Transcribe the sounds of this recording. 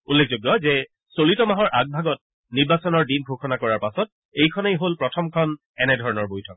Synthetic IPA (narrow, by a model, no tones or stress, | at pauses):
ulːek̚ʰzoɡjɔzɛ | solitɔmaɦɔɹʔaɡ̚bʱaɡɔt̚ | niɹbasɔnɔɹdinbʱokʰɔnakɔɹaɹpasɔt̚ | ejkʰɔnejɦolpɹɔtʰɔmkʰɔn | ɛnɛdʱɔɹɔnɔɹbojtʰɔk